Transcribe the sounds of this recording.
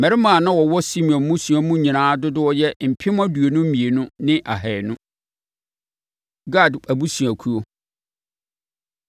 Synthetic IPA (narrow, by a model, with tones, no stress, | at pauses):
mɛ̃˨ɾɪ˦mãː˨nã˦wɔ˨wɔ˦si˦mĩ˨ɔ̃˨nmũ˦sũ˨ɔ̃˨mũ˦ɲĩ˨nãː˨˦dʊ˦dʊ˦ɔ˦jɛ˦m̩˨pʰɪ˦m˦a˦du˨e˨nʊ̃˦m̩˦mĩ˨e˨nʊ̃˦nɪ̃˦ʔa˨ɦɛ˨nʊ̃˦ | ɡa˦˨dæ˨bu˦su˨æ˨kʰu˦o˦